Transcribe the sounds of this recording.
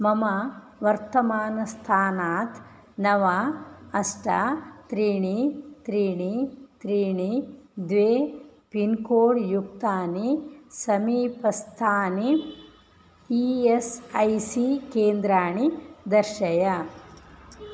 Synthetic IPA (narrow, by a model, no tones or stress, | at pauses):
mɐma | ʋɐɾt̪ɐmaːnɐst̪ʰaːnaːt̪ | nɐʋaɐsʈɐt̪ɾiːɳit̪ɾiːɳit̪ɾiːɳid̪ʋeːpinkoːɽjuk̚t̪aːnisɐmiːpɐst̪ʰaːni | iesɐjsikeːnd̪ɾaːɳid̪ɐɾʃɐjɐ